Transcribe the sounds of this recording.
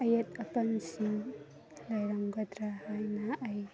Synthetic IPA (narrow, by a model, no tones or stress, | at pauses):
ɐjɐt̚ɐpɐnsiŋ | lajɾaŋɡɐdɾahajnɐʔːj